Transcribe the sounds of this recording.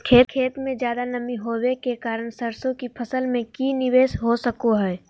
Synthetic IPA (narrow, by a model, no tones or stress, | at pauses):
kʰeːkʰeːt̪mẽd͡ʒjaːd̪anɐmiɦowekekaːɾəɳsəɾsõkipʰəsəlmẽkinɪʋeːsɦosəkoɦɛː